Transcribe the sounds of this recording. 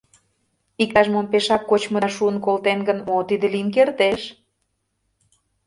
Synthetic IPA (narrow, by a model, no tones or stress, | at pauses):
ik̚t̪ɑʒmonpeʃɑkːot͡ɕmə̆ʃuənkolt̪enɡənot̪id̪ə̆linkert̪eʃ